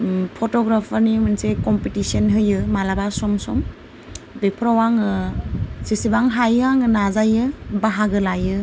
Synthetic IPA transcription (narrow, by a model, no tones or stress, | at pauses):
pʰɔtɔɡɾapʰaɾnimɯnsekɔmpitisɔnɦɯjɯmalabasɔmsɔm | bepʰɾawaŋɯ | sisibaŋɦajaŋɯnazajɯbaɦaɡɯlajɯ